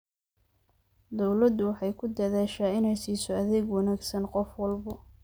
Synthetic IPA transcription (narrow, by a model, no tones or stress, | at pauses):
d̪ɔwlɐd̪ʊwɑħɑjkʰʊd̪ɐðaːʃaːɪnɛjsiːsɔɐðɛɡwɑnaːɡsɐnqɔfwɑlbɐ